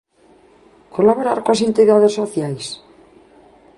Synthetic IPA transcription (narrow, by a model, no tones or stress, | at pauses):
kʰolaβoɾaɾkoasent̪iðaðesoθjajs